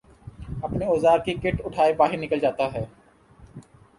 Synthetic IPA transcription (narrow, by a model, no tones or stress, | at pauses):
ɐpneoːzaːɾkikɪʈʊʈʰaːebaːɦɪɾnɪkəld͡ʒaːt̪aɦɛː